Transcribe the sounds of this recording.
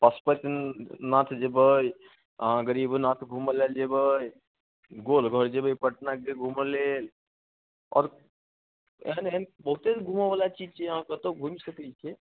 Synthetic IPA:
pəspət̪nat̪ʰd͡ʒebəj | ɦãɡəɾibnat̪ʰɡʱuməleld͡ʒebəj | ɡolɡʱəɾd͡ʒebəjpəʈnakeɡʱuməlel | ɔ̰ɾ | ḛnenbəɦut̪eɡʱuməbalat͡ʃid͡ʒt͡ʃʰeɦãkət̪oɡʱumisəkət͡ʃʰe

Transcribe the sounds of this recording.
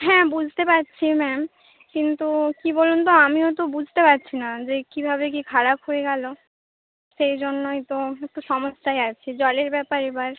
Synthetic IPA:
ɦɛ̃ːbud͡ʑʱt̪epaɾːɕʰimɛm | kint̪ukibolunt̪̬oamiot̪obud͡ʑʱt̪epaɾːɕʰinad͡ʑekibʱaβek̬ikʰaɾapɦoeɡalo | ʃejd͡ʑonːojt̪oek̚ʈoʃɔmoʃːaeat͡ɕʰed͡ʑɔleɾbɛpaɾebaɾ

